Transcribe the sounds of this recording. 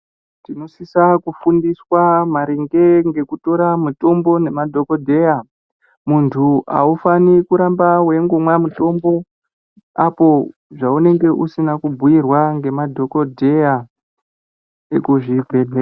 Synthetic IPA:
tino̞sisakufundiswamaɾeŋɡe̞ŋɡe̞kuto̞ɾamuto̞mbo̞ne̞madʱo̞kodʱe̞ja | muntʰua̰ufanikuɾambawe̞ŋɡumwamuto̞mbo̞ | apo̞ | ʐaune̞ŋɡe̞ʔusinakubʱuirwaŋɡe̞madʱo̞ko̞dʱe̞a | ekuʐibʱedʱe

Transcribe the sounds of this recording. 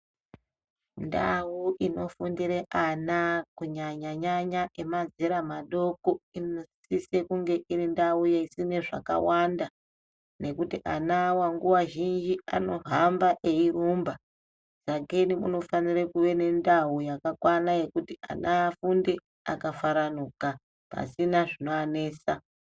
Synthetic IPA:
nda̰wuʔino̞fundiɾeʔanakuɲaɲaɲaɲaʔemad͡zeɾamaɗo̞koinossisekuŋɡe̞ʔiɾindaujeisine̞ʐa̰ka̰wanda | ne̞kutiʔanawaŋɡuwaʒind͡ʒia̰no̞ɦambaʔe̞irumba | zaɡenimṵno̞fanirekuʋe̞ne̞ndaujakakwanaje̞kutia̰naːfunde̞ | a̰kafaɾanuːka | pa̰sinaʐino̞aneːsa

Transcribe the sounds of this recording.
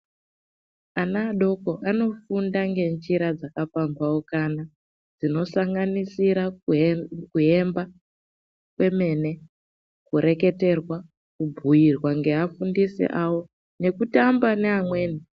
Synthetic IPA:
anaːɗo̞ko̞ʔano̞fundaŋɡe̞nd͡ʒiɾad͡zakafambawokana | d͡zino̞saŋɡanisiɾa | kuɦe̞mba | kwe̞me̞ne̞ | kuɾe̞ke̞te̞rwa | kubʱujirwaŋɡe̞afundisḛʔawo̞ | ne̞kutambaneɦamwe̞ːni

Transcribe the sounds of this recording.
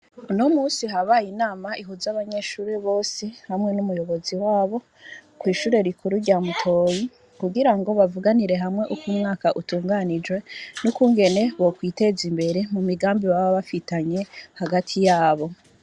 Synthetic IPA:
uno̞muːnsiɦaβajinaːmaʔiɦuzaβaɲe̞ʃuːɾeβo̞ːsihamŋe̞numujo̞βo̞ziwaːβo̞ | kwiːʃuːɾe̞ɾikʰuɾuɾɟaːmutʰo̞ji | kuɡiɾaŋɡo̞βavuɡaniɾe̞ɦamŋe̞ʔukumŋaːkaʔutuːŋɡanid͡ʒwe̞nukuŋɡe̞ne̞βokwiːte̞zimbe̞ɾe̞mumiɡaːmbiwaβaβafitaɲe̞haɡatʰijaːβo̞

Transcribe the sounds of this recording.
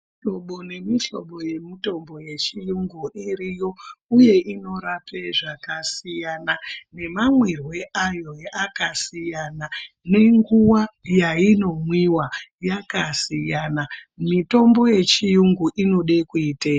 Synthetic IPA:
iɬoɓo̞ne̞miɬo̞̰ɓo̞je̞mito̞mbo̞je̞t͡ʃijuŋɡuʔiɾijo̞uje̞ʔino̞ɾapʰeʐakasijanane̞mamwirwe̞ʔajo̞akasijana | ne̞ŋɡuwajaino̞mwiwajakasijanamito̞mbo̞je̞t͡ʃijuŋɡuʔino̞ɗe̞kuiːte

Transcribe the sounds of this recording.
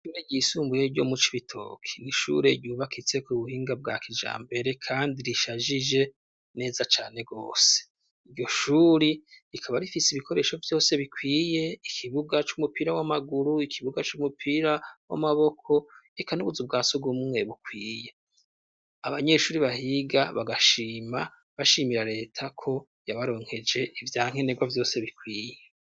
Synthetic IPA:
ʃuɾeɟiːsuːmbuje̞ɾɟo̞̰mut͡ʃiβitʰo̞̰ːkʰe̥niʃṵɾe̞ɟɟuːβakʰit͡se̞kuβuhiːŋɡab̚ɡa̰ːkid͡ʒa̰ːmbe̞ɾe̞kʰaːndiɾiʃaʒid͡ʒe̞ | ne̞ːzat͡ʃaːne̞ɡo̞̰ːse̥ | iɾɟo̞ʃuːɾiikʰaβaɾifisiβikʰo̞ɾe̞ʃo̞vjo̞ːse̞βikwiːje̞ikʰiβuɡat͡ʃumupiːɾawamaɡuɾuikʰiβuɡat͡ʃumupʰiːɾawa̰maβo̞kʰo̞ekʰanuβuzub̚ɡaːsoɡumŋwe̞βukwiːje̞ | aβaɲe̞ʃuːɾiβahiɡaβaɡaʃiːma | βaʃiːmiɾaɾe̞ːtʰakʰo̞ | jaβaɾo̞ːŋ̥he̞d͡ʒe̞ivjaːŋ̥e̞neɡwavjo̞ːse̞βikwiːje̞

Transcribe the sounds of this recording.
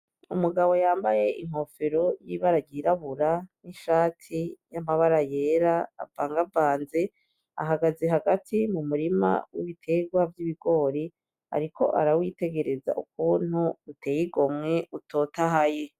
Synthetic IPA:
umuɡaβo̞jaːmbaje̞ʔiŋ̥ho̞feɾo̞jiβaɾaɟiɾaβuɾaniʃaːtʰijamaβaɾaje̞ːɾa̰ːvaːŋɡavaːnze̞ | a̰ɦaɡazeɦaɡatʰimumuɾima̰wiβitʰe̞ɡwavjiβiɡ̥o̞ːɾi | a̰ɾikʰo̞̰ʔa̰ɾawite̞ɡe̞ɾe̞za̰ʔuk̚un̥huutʰe̞ːjiɡo̞mŋe̞utʰo̞ːtaɦaje

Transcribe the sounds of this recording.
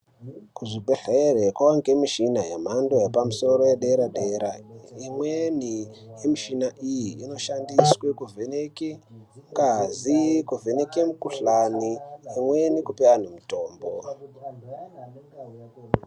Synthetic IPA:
kuʐibʱeɬeerekwaaŋɡemiʃinajem̤andojepamuso̞ɾo̞jeɗeɾaɗeɾa̰imwenijemiʃinaʔijiino̞ʃandiswekuvʱenekeŋɡazikuvʱenekemukuɬaniimwe̞nikupean̤umitoːmbo

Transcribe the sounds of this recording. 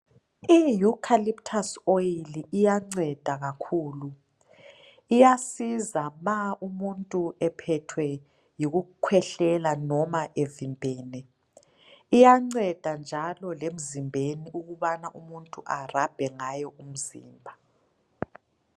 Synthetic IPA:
ijukʰaliptʰasojiliʔːjaŋ͡ǀɛd̥ʱaɣakʰuːlu | ijasizamaumuntʼuɛpʰɛtʰwɛ | jiɣukʰwɛɬɛlanɔmaʔevimbʱɛːnɛ | ijaŋ͡ǀɛd̥ʱand͡ʒʱalɔlem̩zimbʱeniʔuɣuβanaʔumuntʼuʔarab̥ʱɛŋajɔʔum̩zḭːmbʱa

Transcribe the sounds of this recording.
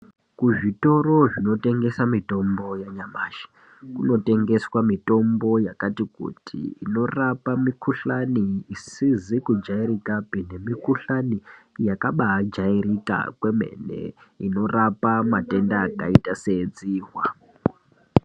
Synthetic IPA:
kuʐito̞ɾo̞ʐino̞te̞ŋɡe̞samito̞mbo̞jaɲamaːʃḁ | kuno̞te̞ŋɡe̞swamito̞mbo̞jakatikṵtʰḭino̞rapamikuɬaniːsizikud͡ʒairikapine̞mikuɬanijakaɓaad͡ʒairika̰kwe̞mḛnḛḭno̞rapamate̞ndaːkaitase̞d͡ziːɦwa

